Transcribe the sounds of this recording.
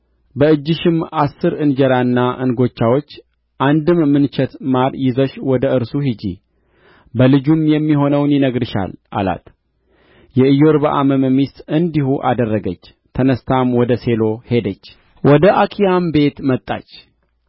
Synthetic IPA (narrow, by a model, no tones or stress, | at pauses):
bəɨd͡ʒːɪʃɪmasːɨɾɨnd͡ʒəɾanːaʔɨnɡo̞t͡ʃːawo̞t͡ʃː | ʔand̪ɨmːɨnt͡ʃʰɛt̪maɾjɪzəʃwɔd̪əɨɾsuhid͡ʒḭ | bəlɨd͡ʒumjɛmːiho̞nəwnjɪnəɡɾɨʃa̰lʔa̰la̰t̪ | jɛɨjo̞ɾbəʔaməməmist̪ʼɨnd̪ihuʔa̰d̪ərːəɡət͡ʃː | t̪ʰənəst̪ʰamwɔd̪əse̞lo̞he̞d̪ət͡ʃː | wɔd̪əʔakʰijambe̞t̪mət̪ʼːa̰t͡ʃː